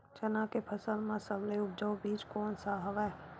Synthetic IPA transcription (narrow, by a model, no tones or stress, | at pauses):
t͡ʃɐnakepʰəsəlmãsəbleʊp̚d͡ʒəwbiːd͡ʒkɔːnsaɦəʋɛ